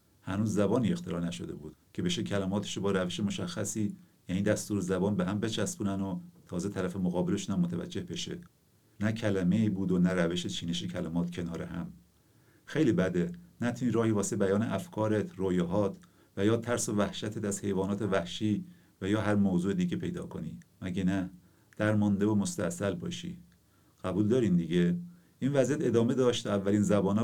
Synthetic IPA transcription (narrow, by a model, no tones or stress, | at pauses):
hænuːzːæbɒːniːe̞xt̪ʰeɾɒːnæʃo̰d̪e̞̰buːd̪̥cʰe̞be̞ʃecʰælæmɒːt̪ʰe̥ʃobɒːɾæveʃemoʃæxːæsiː | jæniːd̪æst̪uːɾezæbɒːnbeɦæmbe̞t͡ʃʰæsbuːnænot̪ʰɒːzet̪ʰæɾæfemoɣɒːbeleʃunæmːot̪ʰævæ̰d͡ʒːe̞hbe̞ʃḛ | næcʰælæme̞iːbuːd̪onæɾæveʃet͡ʃʰiːneʃecʰælæmɒːt̪cʰe̞nɒːɾehæ̰m | xe̞jliːbæd̪enæt̪ʰuniːɾɒːhiːvɒːsebæjɒːneʔæfkʰɒːɾet̪ʰɾoːjeɦɒːt̪ʰ | væjɒːt̪ʰæɾsovæhʃæt̪ʰet̪æz̥he̞jvɒːnɒːt̪evæhʃiː | væjɒːɦæɾmozuːed̪iːɟepʰe̞jd̪ɒ̰ːkʰonḭːmæɟenæ | d̪̥æɾmɒːnd̪evomost̪æ̰sælbɒ̰ːʃḭ | ɡ̥æbuːld̪ɒːɾiːnd̪iɟe | ʔiːnvæzijæt̪e̞d̪ɒːme̞d̪ɒːʃt̪ʰːævːæliːnzæbɒːnː